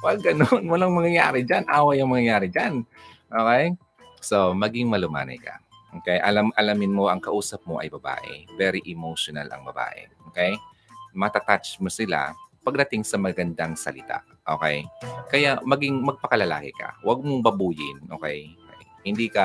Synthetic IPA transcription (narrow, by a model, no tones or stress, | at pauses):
wɐɡɡɐnonwɐlaŋmɐŋɐja̰ːɾɛd͡ʒanʔaːwɐjɐŋmɐŋɐjaːɾɪd͡ʒan | ʔoːkɛj | somɐɡɪŋmɐlʊma̰ːnɐ̰jkɐ̰ | ʔoːkɛjʔɐlamʔɐlamɪnmoʔɐŋkɐʔuːsɐp̚moʔɐ̰jbɐba̰ːʔɛ̰vɛːɾiʔɛmoʃona̰lɐ̰ŋbɐba̰ːʔɛ̰ʔoːkɛj | mɐt̪at̪at͡ʃmosɪla̰pɐɡ̚d̪ɐt̪ɪŋsɐmɐɡɐnd̪aŋsɐ̰lɪt̪a̰ | ʔo̰ːkɛ̰jkɐjaʔmɐɡɪŋmɐɡ̚pɐkɐlɐla̰ːkɪkɐ̰wɐɡ̚moŋbɐbuːjɪ̰nʔoːkɛjokɛjhɪnd̪iːkɐ